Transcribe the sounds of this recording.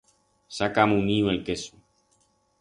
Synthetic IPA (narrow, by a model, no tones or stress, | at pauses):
sakamũnĩwelkesu